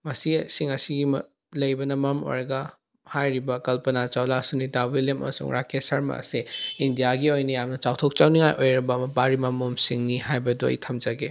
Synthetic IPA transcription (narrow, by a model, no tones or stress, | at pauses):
mɐsisiŋɐsiɡim | lɐjbɐnɐmɐmo̰jɾɐɡɐ | hajɾibɐkɐlpɐnat͡ʃawlasunidawiljemɐ̰mɐsṵŋɾakesɐɾmɐ̰ɐ̰seindijaɡiojnijamnɐt͡ʃawtʰok̚t͡ʃawniŋajʔojɾɐbɐːmɐpaɾimɐmomsiŋnihajbɐduɐ̰jtʰɐmd͡ʒɐɡe